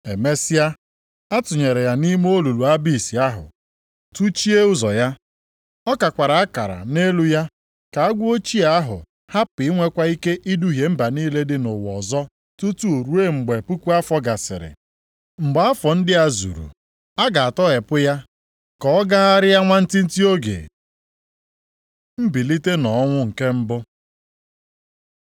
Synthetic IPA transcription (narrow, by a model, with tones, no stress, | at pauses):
e˨me˦sɪ˦ja˦ | a˦tʊ˨ɲe˨ɾe˨ja˨ni˦m˦o˦lu˨lu˨a˦bi˦˨si˨a˦ɦʊ̰˨ | tu˦t͡ʃi˦e˦ʊ˦zɔ˨ja˦ | ɔ˦ka˨kʷa˨ɾa˨a˦ka˨ɾa̰˨ne˦lu˦ja˦ | ka˨a˦ɡʷʊ˦o˦t͡ʃi˦a˨a˦ɦʊ̰˨ | ha˦pɪ˨˦ŋʷe˦kʷa˦i˦ke˦ʔi˦du˦ɦje˨m̩˦ba˨niː˦le˦dɪ˦nʊ˨wɔ̰˨zɔ˦ | tu˦tu˦o˨ɾu˦e˦ŋ͡m̩˨ɡ͡be˨pu˦kʷu˦a˦fɔ˦ɡa˨sɪ̰˨ɾɪ̰˨ | ŋ͡m̩˨ɡ͡ba˦fɔ˨n̩˦dɪ˦a˦zṵ˨ɾṵ˨ | a˦ɡa˨a˨tɔ˦ɪ˨pʊ˦ja˦ | kɔ˨ɔ˦ɡa˦a˦ɾɪ˦ja˦ŋʷa˦n̩˦tɪ˦n̩˦ti˦o˦ɡḛ˨ | m̩˦bi˨li˦te˦nɔ˨˦ŋʷʊ˦ŋ̩˨ke˦m̩˦bʊ˦